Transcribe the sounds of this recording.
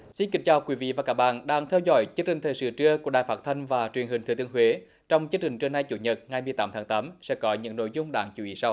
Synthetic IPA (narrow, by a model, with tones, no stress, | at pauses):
si˧nkï˨˦ŋ̟t͡ɕaː˨˩wkwi˨˦vḭ˧˨vaː˨˩kaː˦˥k̚ɓa̰ː˧˨nɗaː˧ŋt̪ʰɛ˧wzɔ̰˧˩jt͡ɕɨ˧ənt͡ɕï˨˩ŋ̟t̪ʰəː˨˩jsɨ̰˧˩t͡ɕɨ˧əku˧˩əɗaː˨jfaː˦˥t̚t̪ʰə˧jŋ̟vaː˨˩t͡ɕwi˨˩ənhï˨˩ŋt̪ʰɨ˨˧˦t̪ɨ˧˥əŋɦwe˨˦ | t͡ɕɔ˧wŋ͡mt͡ɕɨ˧ət͡ɕï˨˩ŋ̟t͡ɕɨ˧əna˧jt͡ɕu˧˩ɲə˨˩t̚ŋa˨˩jmɨ˨˩əjt̪aː˨˦mt̪ʰaː˨˦ŋt̪aː˨˦msɛ̰˧˥kɔ˨˦ɲɨ̰˧˥ŋno̰˧˨jzʊ˧ŋ͡mɗaː˧˩ŋt͡ɕu˧˦i˨˦sa˧w